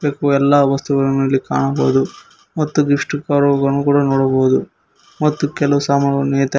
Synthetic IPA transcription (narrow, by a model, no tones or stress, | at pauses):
beːkuɛlːaːʋɐst̪uɡɐɭmeːlika̰ːɳɐbo̰ːd̪u | mɐt̪ːuɡiʂʈukaːɾɔɐɡɐɐnːukuːɽɐnɔːɽɐboːud̪u | mɐt̪ːukɛlɐʋusaːmɐɡɐɭneːt̪